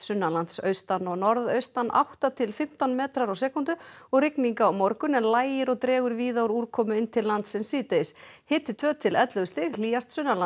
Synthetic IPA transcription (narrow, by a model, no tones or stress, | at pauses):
sʏnːalant̪sœ̰ɥst̪anːɔɣnɔɾðœɥst̪anːʔa̰wht̪at̪ʰɪlfɪm̥t̪anmɛːt̪ɾaɾawsɛːkʊnt̪ʏɔɣrɪkniŋkaːwmɔɾkʏnɛnlaːjɪɾɔɣt̪ɾɛːɣʏɾviːðawɾuɾkʰɔːmʏɪnt̪ʰɪllːant̪sɛmsiːt̪eɪs | hɪːt̪ɪt̪ʰv̥œːt̪ʰɪlɛt̪lʏɣʏst̪ɪɣliːjast̪sʏnːala